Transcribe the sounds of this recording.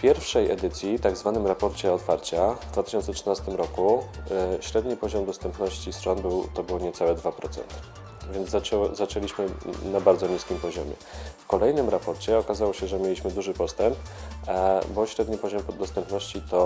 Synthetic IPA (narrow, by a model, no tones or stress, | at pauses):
pʲjɛɾfʂɛjɛd̪ɘt̪sʲjit̪aɡzvanɘmɾapɔɾt͡ɕɛɔt̪faɾt͡ɕavd̪vat̪ɘ̥ɕɔnt̪sɛtʂɘnast̪ɘmɾɔku | ɕɾɛd̪ɲipɔʑɔmd̪ɔst̪ɛmpnɔɕt͡ɕist̪ʂɔnbɘwt̪ɔbɘwɔɲɛt̪awɛd̪vapɾɔt̪sɛ̰nt̪ | vʲjɛnd̪zaɛzat͡ʂɛlʲiɕmɘnabaɾd̪zɔɲiskʲimpɔʑɔmʲjɛ̰fkɔlɛjnɘmɾapɔɾt͡ɕɛɔkazawɔɕɛʐɛmʲjelʲiɕmɘd̪uʐɘpɔst̪ɛmp | bɔɕɾɛd̪ɲipɔʑɔmd̪ɔst̪ɛmpnɔɕt͡ɕit̪ɔ